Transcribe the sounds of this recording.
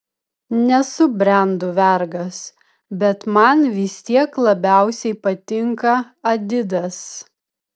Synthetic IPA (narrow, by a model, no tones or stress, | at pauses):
nʲɛsʊbʲɾʲɛnd̪ʊʋʲɛɾɡɐs | bʲɛt̪mɐnʋʲɪsʲt̪ʲiɛklˠɐbʲæˑʊsʲɛɪpɐt̪ʲɪŋkɐ | ɐd̪ʲɪd̪ɐs